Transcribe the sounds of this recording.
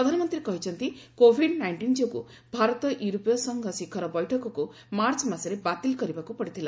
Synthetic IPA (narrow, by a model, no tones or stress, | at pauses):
ɾɔd̪ʱanɔmɔnt̪ɾiekɔɦit͡ʃʰɔnt̪ikobʱiɖnajɳʈind͡ʒokṵ | bʱaɾɔt̪ɔʔjuɾopjɔsɔŋɡʱɔsikʰɔɾɔbɔjʈʰɔkɔku | maɾt͡ʃɔmaseɾebat̪ilkɔɾibakupɔɽit̪ʰila